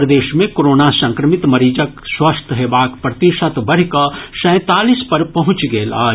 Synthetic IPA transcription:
ɾd̪eːʃmẽkoːɾoːnasɐ̃ŋkɾəmɪt̪mɐɾiːd͡ʒəkswɐst̪ʰɦeːbaːkpɾɐt̪iʃət̪bɐɽ̤kasɛ̃ːt̪aːlispɐɾpɐɦʊ̃t͡ʃɡeːla̰ːd͡ʒ

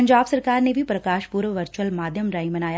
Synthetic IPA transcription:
ɐɲd͡ʒaːbsɐɾkaːɾnebʱipɾɐkaːʃpuɾʋəʋɐɾt͡ʃuəlmaːd̪ʱjəmɾaimɐnaːja

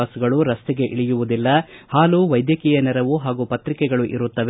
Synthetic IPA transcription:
aːsuɡɐɭuɾɐst̪ɛɡe̞ʔiɭijuʋud̪ilːɐhaːluʋɐjd̪jɐkiːjɐnɛɾɐʋuɦaːɡupɐt̪ɾikɛɡɐɭuʔiɾut̪ːɐʋe

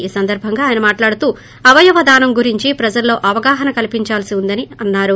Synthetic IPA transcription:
iːsɐnd̪ɐɾbʱɐŋɡaːjɐnɐmaːʈlaːɽut̪uː | ɐʋɐjɐʋɐd̪aːnɐmɡuɾiɲt͡ʃipɾɐd͡ʒɐlːo̞ːʔɐʋɐɡaːɦɐnɐkɐlipiɲt͡ʃaːlsiund̪ɐniɐnːaːɾu

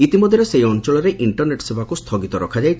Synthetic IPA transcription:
it̪imɔd̪ʱjɔɾesejɔnt͡ʃɔɭɔɾeʔiɳʈɔɾneʈsebakust̪ʰɔɡit̪ɔɾɔkʰad͡ʒajtʰ

